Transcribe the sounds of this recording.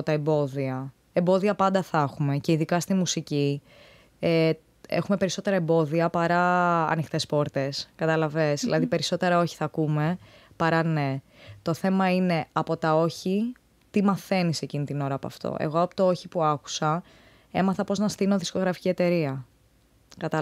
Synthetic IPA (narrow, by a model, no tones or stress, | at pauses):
t̪ɐembo̞ðiɐ | embo̞ðiɐpɐnd̪ɐθɐxume̞ce̞iðikɐst̪imusici | e | ḛxume̞pe̞ɾiso̞t̪e̞ɾɐembo̞ðiɐpɐɾɐɐ̰nixt̪e̞spo̞ɾt̪e̞skɐt̪ɐlɐve̞zðilɐðipe̞ɾiso̞t̪e̞ɾɐo̞çi̥θɐkume̞pɐɾɐne̞ | t̪o̞θe̞mɐine̞ɐpo̞t̪ɐo̞çi | t̪imɐθe̞nise̞cinit̪ino̞ɾɐːpoɐ̰ft̪o̰ʔe̞̰ɣo̞ɐpot̪oo̞çipuɐku̥sɐ | e̞mɐθɐpo̞znɐst̪inoðisko̞ɣɾɐfi̥cie̞t̪e̞ɾiɐ | kɐt̪ɐ